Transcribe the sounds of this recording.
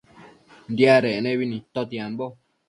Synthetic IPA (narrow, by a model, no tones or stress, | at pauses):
nd̪jaɾeenẽβinĩt̪ot̪jembo